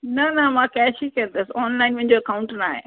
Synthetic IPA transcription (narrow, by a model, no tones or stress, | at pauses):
nanɐmãːkɛːʃikɛnd̪esɔːnlaɪnʋĩɲd͡ʑoɐkaʊ̃ɳʈna̰ːɦḛ